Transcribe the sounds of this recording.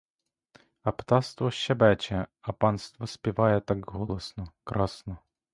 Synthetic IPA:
ɐpt̪ɑst̪ʋɔʃːɛbɛt͡ʃɛɐpɑnst̪ʋɔsʲpʲiʋɑjɛt̪ɑkɦɔlˠɔsnɔkɾɑsnɔ

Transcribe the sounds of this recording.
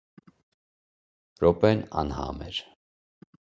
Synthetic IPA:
rɔpɛnɑnhɑ̰mɛɾ

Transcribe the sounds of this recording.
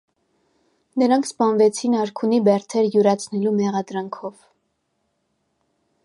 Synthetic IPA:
nəɾɑŋkʰspɑnvɛt͡sʰinɑɾkʰunibɛɾt̪ʰɛɾjuɾɑt͡sʰnɛlumɛʁɑd̪ɾɑŋkʰɔv

